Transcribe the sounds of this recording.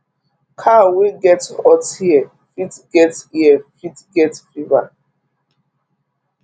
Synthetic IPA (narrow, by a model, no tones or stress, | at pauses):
kʰawiɡɛtɔtiɛ | fitɡɛtiɛfitɡɛtfiva̰